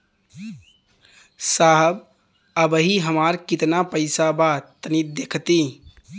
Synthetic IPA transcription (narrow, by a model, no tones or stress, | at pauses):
saɦəb | əbəɦiɦəmaɾkit̪napəɪsabat̪ənit̪̚d̪ekʰt̪i